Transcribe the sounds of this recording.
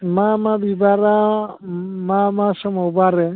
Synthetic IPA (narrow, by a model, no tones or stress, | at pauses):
mamabibaɾa | mamasɔmɔwbaɾɛ